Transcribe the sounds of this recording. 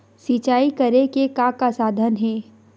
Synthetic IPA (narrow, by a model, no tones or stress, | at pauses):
sit͡ʃaːikɐɾekekakasaːd̪ʱənɦɛː